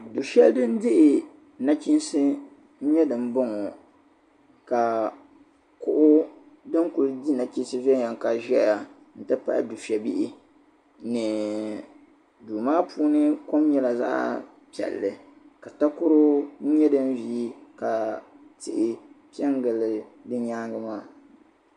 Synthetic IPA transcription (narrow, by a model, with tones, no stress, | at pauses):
du˨fɛ˦ldɨ˦n̩˦dɪ˦ʔɪ˨ | na˦t͡ʃi˦n˦sɨ˦ | n̩˦ɲɛ˦dɨ˨m˦bɔ˦ŋɔ˨ | ka˨ | kʊ˦ʔʊ˦ | dɨ˦ŋku˨ldi˦na˨t͡ʃi˦nsɨ˦vɛ˦ɲa˨ŋ˨ka˨ʒɛ˦a˨ | n̩˨tɨ˦pa̰˦ʔɪ̰˨du˨fi˨ɛ˨bi˦ʔɪ˦ | nɨ˨ | duː˨maː˦pʰuː˦nɨ˦ko˦m˦ɲɛ˦la˨za̰˦ʔ | pi˨ɛ̰˨lːɨ˨ | ka˨ta˦kʊ˦ɾʊ˦ɲɛ˦dɨ˦n˦viː˦ka˨tɪ˨ʔɪ˨pɛ˦ŋɡɨ˨lːɨ˨dɨ˦ɲaː˦ŋɡɨ˦maː˦˨